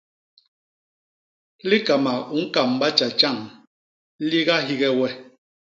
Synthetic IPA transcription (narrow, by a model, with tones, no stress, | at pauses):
li˦ka˨ma˨u˨˦ŋ̩˦ka˨m˨ba˦t͡ʃa˨t͡ʃa˦˨ŋ | li˦ɣa˦ɦi˦ɣɛ˦wɛ˦